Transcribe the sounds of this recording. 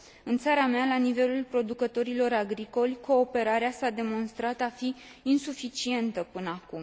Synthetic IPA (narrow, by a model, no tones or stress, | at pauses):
ɨnt̪saɾamealanive̞lulpɾo̞d̪ukət̪o̞ɾilo̞ɾaɡɾiko̞lʲko̞ːpe̞ɾaɾeasad̪e̞mo̞nst̪ɾat̪afiː | nsufit͡ʃie̞nt̪əpɨnəakum